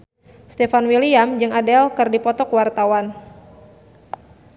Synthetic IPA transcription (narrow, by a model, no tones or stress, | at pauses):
st̪efanwiliamd͡ʒɨŋadɛlkɨrdipɔt̪ɔkwart̪awan